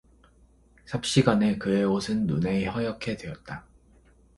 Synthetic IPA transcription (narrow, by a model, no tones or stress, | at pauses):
sʰap̚ɕ͈iɡane̞kɯeosʰɯnːune̞hʌjʌkʰe̞dwe̞ʌt̚t͈a